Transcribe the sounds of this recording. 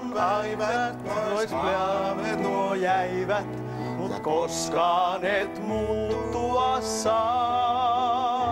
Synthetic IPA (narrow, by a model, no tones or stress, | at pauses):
ɑiʋɑ | oispleɑmet̪ojæiʋæt̪ | mut̪koskɑːnet̪mut̪ːuɑsːɑː